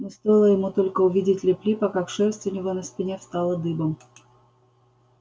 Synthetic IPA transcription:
nʲɪst̪ojlˠəjɪmut̪olʲkəʊvʲidʲɪtʲlʲɪplʲipakakʂɛrst̪vʲɪnʲɪvonəspʲɪnʲefst̪ɑlˠəd̪ɨbəm

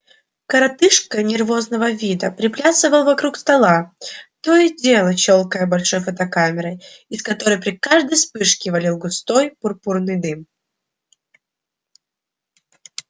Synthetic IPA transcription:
kəɾɐt̪ɨʂkənʲɪrvo̞znəvəvʲid̪əpɾʲɪplʲasɨvəlˠəvɐkɾukst̪ɐlˠat̪o̞jɪdʲelˠət͡ɕo̞lˠkəjəbɐlʲʂo̞jfət̪ɐkamʲɪɾəj | ɪskɐt̪o̞ɾəjpɾʲɪkaʐd̪əjspɨʂkʲɪvɐlʲilˠɡʊst̪o̞jpʊrpurnɨjd̪ɨm

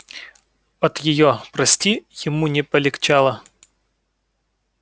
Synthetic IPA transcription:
ɐt̪jɪjopɾɐsʲtʲijɪmunʲɪpəlʲɪkt͡ɕalˠə

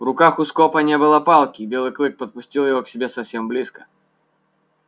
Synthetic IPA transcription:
vɾʊkaxʊskɔpɐnʲebɨlˠɐpalˠkʲibʲelˠɨklˠɨk̚pɐt̪̚pʊsʲtʲilˠjɪvɔksʲɪbʲesɐfsʲemblʲiskə̥

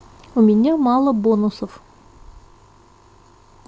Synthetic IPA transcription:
ʊmʲɪnʲamɑlˠəbonusof

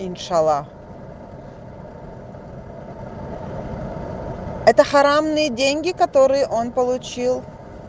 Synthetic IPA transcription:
ɪnʲʂɐlˠa | ɛt̪əxɐɾamnɨjədʲenʲɡʲɪkɐt̪o̞ɾɨjəʔo̞npəlˠʊt͡ɕilˠ

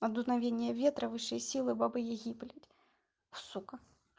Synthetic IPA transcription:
ɐd̪unavʲenʲːɪjɛvʲɛt̪ɾɐvɨʂɨjsʲilˠɨbabɨjɛɣʲiplʲɐtʲ | wsukɐ

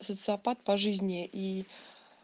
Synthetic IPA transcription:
sət̪sɨɐpat̪̚pɐʐɨzʲnʲɪʔi

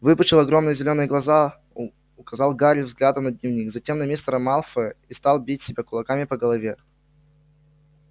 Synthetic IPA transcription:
vɨpət͡ɕɪlˠɐɡɾo̞mnɨjəzʲɪlʲo̞nɨjəɡlˠɐza | ʊkɐzɑlˠɡaɾʲlʲvzɡlʲad̪əmnəd̪ʲnʲɪvnʲikzɐtʲe̞mnɐmʲist̪ɾəmalˠfəist̪ɑlˠbʲitʲsʲɪbʲakʊlˠɐkamʲɪpəɡəlˠɐvʲe̞

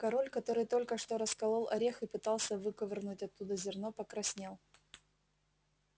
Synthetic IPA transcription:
kɐɾolʲkɐt̪o̞ɾɨjt̪o̞lʲkəʂt̪o̞ɾəskɐlˠolˠɐɾʲexɨpɨt̪ɑlˠsʲəvɨkəvʲɨrnutʲɐt̪ːud̪əzʲɪrnopəkɾɐsʲnʲelˠ

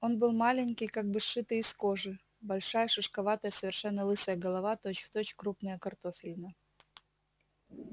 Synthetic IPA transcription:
o̞nbɨlˠmalʲɪnʲkʲɪjkaɡ̚bɨʂɨt̪ɨjiskoʐɨ | bɐlʲʂajəʂɨʂkɐvat̪əjəsəvʲɪrʂɛnːəlˠɨsəjəɡəlˠɐvat̪ot͡ɕft̪ot͡ɕkɾupnəjəkɐrt̪ofʲɪlʲnə

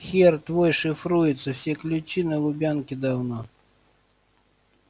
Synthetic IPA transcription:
xʲɛrt̪vɔjʂɨfɾujɪt̪sːɐwsʲɛklʲʊt͡ɕʲinɐlˠʊbʲankʲid̪awnɔ

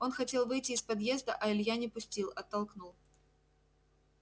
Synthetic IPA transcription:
o̞nxɐtʲe̞lˠvɨjtʲɪːspɐd̪jezd̪əʔɐɪlʲjanʲɪpʊsʲtʲilˠɐt̪ːɐlˠknulˠ

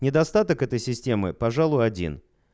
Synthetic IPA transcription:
nʲɪd̪ɐst̪at̪əkɛt̪əjsʲɪsʲtʲe̞mɨpɐʐalˠʊjɐdʲḭn

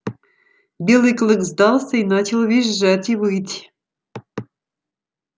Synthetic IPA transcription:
bʲelˠɨklʲˠɨkzd̪ɑlˠsʲəinɑt͡ɕɪlˠvʲiʒːatʲiβɨt̪ʲ

